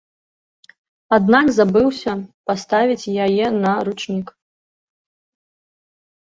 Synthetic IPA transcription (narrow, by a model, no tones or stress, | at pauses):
ad̪nakzabɨwsʲɐpast̪avʲit͡sʲjajɛnɐɾut͡ʂnʲik